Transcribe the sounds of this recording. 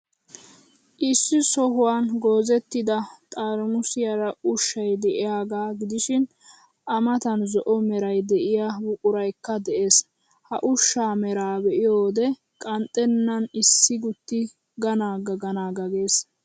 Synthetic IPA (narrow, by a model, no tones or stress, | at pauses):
ʔɪsːɪsɔɦʊwanɡo̞ːzɛt̪ːɪd̪ɐt̪ʼaːɾmʊsɪjɐɾɐʔʊʃːɐjd̪ɛʔɪjaːɡaːɡɪd̪ɪʃɪn | ʔɐmɐt̪ɐnzɔʔɔmɛɾɐjd̪ɛʔɪjaːbʊkʼʊɾɐjkːɐd̪ɛʔe̞ːs | hɐʔʊʃːaːmɛɾaːbɛʔɪjoːd̪ɛ | kʼɐnt̪ʼːɛnːɐnɪsːɪɡʊt̪ːɪ | ɡɐnaːɡɐɡɐnaːɡɐɡeːs